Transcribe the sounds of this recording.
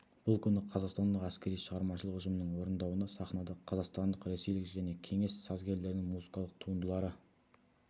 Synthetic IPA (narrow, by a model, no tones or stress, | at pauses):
b̥ʊlˠkʲʰʏnɪqʰɑzɑqst̪ɑnd̪əqæskʲe̞ɾijʃəʁɑɾmɑʃəlˠəqʏʒəmənəŋwo̞ɾənd̪ɑwənɑsɑχnɑd̪ɑqʰɑzɑqst̪ɑnd̪əqɾe̞se̞jlɪkʒæne̞kʲʰe̞ŋe̞sːɑzɡʲe̞ɾle̞ɾɪnɪŋmuzəkɑlˠəq̚t̪ʰuənd̪əlˠɑɾə